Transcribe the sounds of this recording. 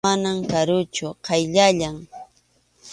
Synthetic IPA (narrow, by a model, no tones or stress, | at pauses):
anamkaɾʊt͡ʃʊqʰɑjʎaʎaŋ